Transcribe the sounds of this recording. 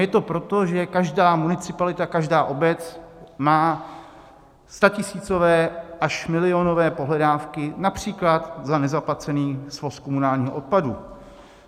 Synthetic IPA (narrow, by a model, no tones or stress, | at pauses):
jɛt̪o̞pɾo̞t̪o̞ʒɛkaʒdaːmunɪt͡sɪpalɪt̪akaʒdaːʔo̞bɛt͡smaː | st̪acɪsiːt͡so̞vɛːʔaʃmɪlɪonovɛːpo̞ɦlɛdaːfkɪnapr̝̥iːklat̪zanɛzaplat͡sɛniːsvo̞skomunaːlɲiːɦo̰ot̪̚padu